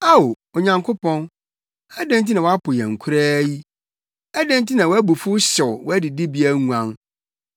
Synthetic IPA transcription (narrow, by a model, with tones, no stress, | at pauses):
a˦o˨ | o˨ɲã˨ŋkʰo˦pʰɔ̃˦n | æ˦dɛ̃˦nt̬i˦nã˨wa˦pʰʊ˨jɛ̰̃˨ŋ̩˨kʷʰu˦ɾaː˦ji˦ | æ˦dæ̃˦ntʰi˦nã˨wɔ˨˦æ˦bu˨fʊ˦ɕɛ˨wwɔ˦æ˦dɪ˨dɪ˦bi˨˦æ˦ŋũ˨ã˦n